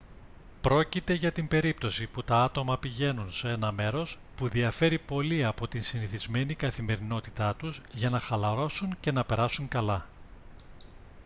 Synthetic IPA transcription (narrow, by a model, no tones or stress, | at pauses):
pɾo̞cit̪e̞ʝɐt̪imbe̞ɾip̚t̪o̞siput̪ɐɐt̪o̞mɐpiʝe̞nunsee̞nɐme̞ɾo̞s | puðiɐfe̞ɾipo̞liɐpo̞t̪insiniθizme̞nikɐθime̞ɾino̞t̪i̥t̪ɐt̪uzʝɐnɐxɐlɐɾo̞suŋce̞nɐpe̞ɾɐsuŋkɐlɐ